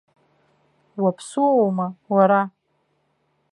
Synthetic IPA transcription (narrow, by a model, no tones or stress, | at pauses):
wapʰsuowmawaɾa